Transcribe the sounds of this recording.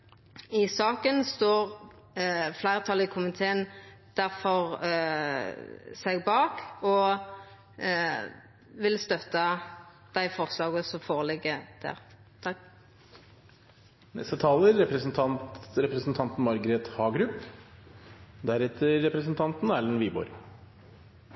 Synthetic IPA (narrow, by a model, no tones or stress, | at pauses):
ɪsɑːkənst̪oːʁ | flæɪʁət̪ʰɑlɪkʰʊmɪt̪ʰeːənd̪̥æʁfɔʁ | sɛɡbɑːkɔ | ʋɪlst̪œt̪ːɑ | d̪̥æɪfɔʁslɑːɡəsɔmfoːʁəlɪɡəd̪̥æ̰ːʁ | nɛ̰st̪ət̪ʰɑːləɾːɛpɾəsnt̪ʰɑntɾɛpɾɛəsn̩t̪ʰɑnt̪n̩mɑɾɡɾeːt̪hɑːɡɾʉpː | d̪æɾɛt̪ʰːəɾːɛpɾəsn̩t̪ʰɑnt̪næːlənʋiːbɔ̰ːɾ